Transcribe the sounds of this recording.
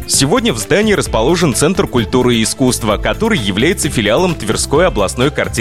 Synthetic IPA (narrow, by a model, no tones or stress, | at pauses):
sʲɪvo̞dʲnʲəvzd̪anʲɪːɾəspɐlˠo̞ʐɨnt̪sɛnt̪rkʊlʲt̪uɾɨːskust̪vəkɐt̪o̞ɾɨjːɪvlʲæjɪt̪səfʲɪlʲɪalˠəmt̪vʲɪrsko̞jɐblˠɐsno̞jkɐrtʲi